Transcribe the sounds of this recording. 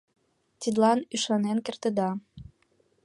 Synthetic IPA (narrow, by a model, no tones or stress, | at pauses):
t̪id̪lɑnyʃɑnenkĕrt̪ə̆d̪ɑ